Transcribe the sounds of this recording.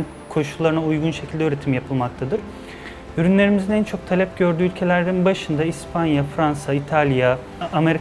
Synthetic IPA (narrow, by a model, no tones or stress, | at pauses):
n | kʰo̞ʃulˠːaɾɯnaujɡunʃecʰilʲd̪ɛyːɾe̞t̪ʰimjapʰɯlˠmak̚t̪ʰad̪ɯɾ̥ | yɾynlʲe̞ɾimizinænt͡ʃʰo̞k̚t̪ʰalʲɛp̚ɟø̞ɾd̪yːylʲcʰe̞lʲæɾd̪inbaʃɯnd̪aispʰanjafɾansait̪ʰalʲjaː | me̞ɾ